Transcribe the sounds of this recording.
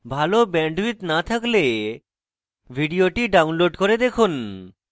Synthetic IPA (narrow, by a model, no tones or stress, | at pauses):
bʱalobɛɳɖwit̪nat̪ʰakle | bʱiɖioʈiɖawnloɖkoɾed̪ekʰun